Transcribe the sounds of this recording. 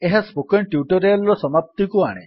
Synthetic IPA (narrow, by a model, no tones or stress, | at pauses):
eɦaspokenʈjuʈɔɾijalɾɔsɔmap̚t̪ikuaɽ̃ḛ̃